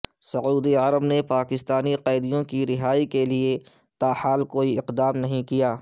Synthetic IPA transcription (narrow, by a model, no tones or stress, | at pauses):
sɐuːd̪iəɾəbnepaːkɪst̪aːniqɛːd̪ijõkiɾɪɦaːikeliet̪aːhaːlkoːiɪqd̪aːmnɐɦĩkijaː